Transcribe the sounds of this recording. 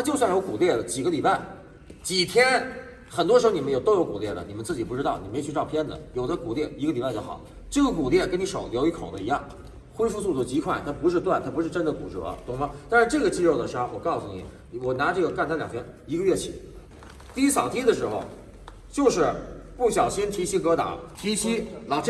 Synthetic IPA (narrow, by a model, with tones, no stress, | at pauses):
t̪ʰa˥t͡ɕjo˥˧ʊswa˥˩njo˧˥ʊku˨˩ljɛ˥˩lə˩t͡ɕi˨˩ɡə˦li˨˩pa˥˩ɪ | t͡ɕi˨˩t̪ʰjɛ˥n | xə˨˩nt̪wɔ˥ʂɻ̩˧˥xo˧ni˨˩mə˦njo˨˧ʊt̪o˥jo˧˥ʊku˨˩ljɛ˥˩lə̰˩ni˨˩mə˦nt͡sɹ̩˥˩t͡ɕi˨˩pu˥˩ʈ͡ʂɻ̩˥t̪ɑ˥˩ʊni˨˩m˧˥˧t͡ɕʰy˥˧ʈ͡ʂɑ˥˧ʊpʰjɛ˥nd̪ə̰˨jo˨˩ʊd̪ə˦ku˨˩t̪jɛ˥˩i˧˥ɡə˧li˨˩pa˧o˧˩xɑ˨˩˦ʊ | ʈ͡ʂɤ˥˩ɡə˩ku˨˩t̪ljɛ˥˩kə˥ni˧˥ʂo˨˩ʊljo˧˥ʊi˧˥kʰo̰˨˩ʊd̪ə̰˦i˧˥jɑ˥˩ŋ | xwe˥ɪfu˥˧su˥˩t͡sɔ˥˩t͡ɕi˧˥kʰwa˥˩nt̪ʰa˥pu˧˥ʂɻ̩˥˧t̪wa˥˩nt̪ʰa˥pʂɻ̩˥˧ʈ͡ʂə˥nd̪ə˨ku˨˩ʈ͡ʂɤ˧˩ɐ̰˧˦t̪ʊ˧˩ŋmɑ˧˥t̪a˥˧ʂɻ̩˥˧ʈ͡ʂɤ˥˩ɡə˩t͡ɕi˥˧ɻo˥˩ʊd̪ə˩ʂa˥wɔ˨˩kɑ˥˩ʊsu˧nḭ˨˩˦ | wɔ˨˩na˧˥ʈ͡ʂɤ˥˩ɡə˩knt͡s̪a˥ljɑ˨˩ŋtʰjɛ˥ni˧˥ɡə˧ɥɛ˥˩t͡ɕʰḭ˨˩˦ | t̪i˥˧i˥sɑ˨˩ʊt̪ʰi˥d̪ə˨ʂɻ̩˧˥xo˧ʊ | t͡ɕjo˥˧ʊʂɻ̩˥˩pu˥˩ɕjɑ˨˩ʊɕi˥nt̪ʰi˧˥ɕi˥kɤ˧˥t̪ɑ̰˨˧˦t̪ʰi˧˥ɕi˥lɑ˨˧